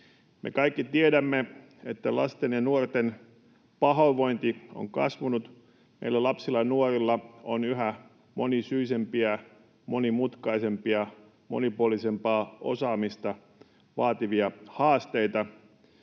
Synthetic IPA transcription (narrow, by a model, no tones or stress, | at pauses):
mḛkɑikːit̪iedæmːe | et̪ːælɑ̰st̪enjɑnuort̪en | pɑɦoʋo̞int̪io̰ŋkɑ̰sʋunut̪ | mḛilːælɑpsilːˑɑnuorilːɑo̰nyɦæ | monisyisempiæ | monimut̪kɑisempiɑ | mo̰nipuolisempɑːo̰sɑːmist̪ɑ | ʋɑːt̪iʋiɑhɑːst̪eit̪ɑ